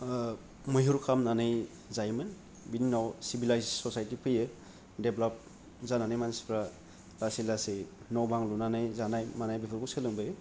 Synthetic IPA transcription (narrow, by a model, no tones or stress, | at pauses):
mɯjɦuɾkʰamnanɯj | zajmɯn | bininawsibilajzsɔsajtipʰɯjɯ | deblap̚ | zananajmanspʰɾa | lasilase | nawbaŋlunanɯjzanajmanajbipʰɯlkusɯlɯŋbɯj